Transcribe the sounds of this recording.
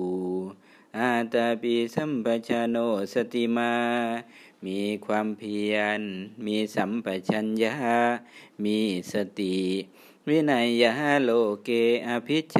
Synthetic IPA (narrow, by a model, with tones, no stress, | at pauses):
ʔaː˧˩t̪a˧piː˧sa˧˨mpʰa˧t͡ɕʰa˧noː˧˩sa˧t̪i˨maː˧ | miː˧kʰwaː˧mpʰi˧ənmiː˧sa˨˦mpa˧t͡ɕʰa˧nja˧˦ha˧ | miː˧sa˧t̪i˨˩ | wi˧˥˨na˧˩jːa˧ha˦˥loː˧˩keː˧ʔa˧pʰi˦˥t̪̚t͡ɕʰ